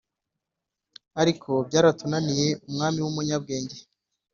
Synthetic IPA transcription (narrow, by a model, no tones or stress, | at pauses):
aɾikʰo̞bɟaːɾatunanije̞umŋaːmiwumuɲab̚ɡe̞ːɲɟe